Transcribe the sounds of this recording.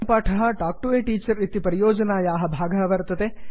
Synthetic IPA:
paːʈʰɐɦɐ̆ʈaːk̚ʈueːʈiːt͡ʃɐɾit̪ipɾɐjoːd͡ʒɐnaːjaːɦɐ̆bʱaːɡɐːʋɐɾt̪ɐt̪eː

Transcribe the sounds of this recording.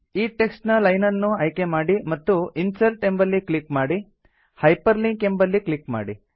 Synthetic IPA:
iːʈeksʈnɐlɐjnɐnːuɐjke̞maːɽimɐt̪ːuinsɐlʈe̞mbɐlːiklikmaːɽi | hɐjpɐɾliŋke̞mbɐlːiklik̚ma̰ːɽi

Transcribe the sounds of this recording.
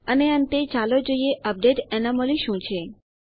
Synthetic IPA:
əneənt̪et͡ʃalod͡ʒoieʔəp̚ɖeʈɛnamoliʃũt͡ʃʰe

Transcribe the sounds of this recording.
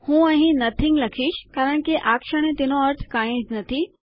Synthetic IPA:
hũːɐ̃ɦĩnɐt̪ʰɪ̃ŋɡlɐkʰiːʃkaːɾəɽ̃kiʔaːkʃəɽ̃ẽt̪ɪnõɐɾt̪ʰkaːẽːd͡ʑnɐt̪ʰi

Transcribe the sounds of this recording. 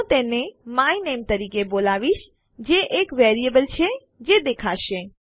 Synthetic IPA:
t̪enemainemt̪əɾiːkebolaʋiʃ | d͡ʒeʔekʋɛːɾiəbəlt͡ʃʰe | d͡ʒed̪ekʰaʃẽ

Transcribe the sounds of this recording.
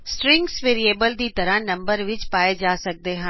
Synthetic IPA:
sʈɾɪ̃ŋɡsʋeːɾieːbəld͡ʑiːt̪ɐɾə̃nɐ̃mbəɾʋɪt͡ɕpaːed͡ʑaːsɐɡ̚d̪eɦaː

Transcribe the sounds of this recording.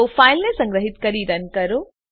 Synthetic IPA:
faːɪlnẽsɐ̃ŋɡɾəɦɪt̪kɐɾiɾɐnkɐɾoː

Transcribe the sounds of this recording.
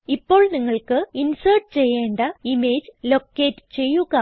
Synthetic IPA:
ipːo̞ːɭniŋːɐɭkɨinsɐrʈt͡ɕe̞jːeːɳɖɐime̞ːd͡ʑlo̞kːe̞ːtːɨ̥t͡ɕe̞jːuɣɐ

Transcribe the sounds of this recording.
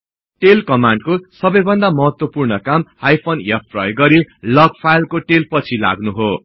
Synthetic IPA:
ʈelkʌmaɳɖkosʌbʌjbʱʌnd̪amʌɦʌt̪wʌpurnʌkamhajpʰonjapʰpʰrʌ̰jɡːʌɾilʌɡ̚pʰajlkoʈelpʌt͡sʰila̰ɡnuɦo

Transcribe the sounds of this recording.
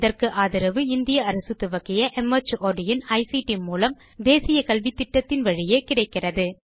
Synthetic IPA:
ðɐrkɯʔaːðɪɾɐʋɯɪnd̪ɪjɐɐɾɐsɯt̪ːɯʋɐkːɪjɐʔɛmɐt͡ʃoːɖɪjɪnɐɪsiʈimuːlɐm | d̪eːsɪjɐkɐlʋit̪ːɪʈːɐt̪ːɪnʋɐɻɪjeːkɪɽɐɪkːɪrɐðɯ

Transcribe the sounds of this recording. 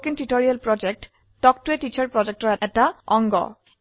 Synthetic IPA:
kintitoɹialpɹɔd͡ʒek̚t | tɔk̚tuetit͡ʃʰɔɹpɹɔd͡ʒɛk̚tɔɹɛɛtaɔŋɡɔ̰

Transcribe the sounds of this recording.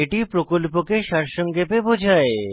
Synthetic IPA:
eʈipɾokolpokeʃaɾʃɔŋɡepebod͡ʑʱae

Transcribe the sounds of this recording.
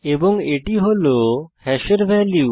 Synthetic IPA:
ebɔŋeʈiɦolohɛʃeɾʋɛliu

